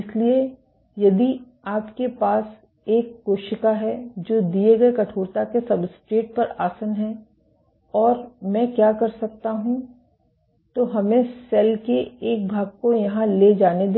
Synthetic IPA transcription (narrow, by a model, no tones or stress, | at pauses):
ɪslie | jɐd̪i | aːpkepaːs | eːkːoːʃɪkaɦɛd͡ʒoːd̪ieɡɐekɐʈʰoːɾt̪akesɐbsʈɾeːʈ̚pɐɾaːsənɦɛ̃ | ɔːɾmɛ̃ːkjaːkɐɾsɐk̚t̪aɦũ | t̪oɦɐmẽsɛlkeeːk̚bʱaːɡ̚kojɐɦãled͡ʒaːned̪